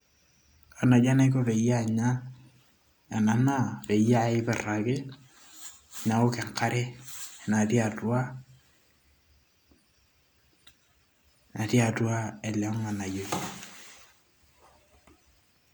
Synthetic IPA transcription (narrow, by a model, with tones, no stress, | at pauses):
a˨na˨d͡ʒa˦na˦i˦ko˦pe˨ja˦˨ɲa˦ | a˨na˨na˦pe˨ja˦ɪ˦pɛ˨ra˨kɪ˦˨ | ɲa˨o˦kɛ˨ŋka˦ɾɛ˦˨na˨ti˦a˨twa˦ | na˨ti˦a˨twa˦ɛ˨la˨˦ŋa˨na˨jo˨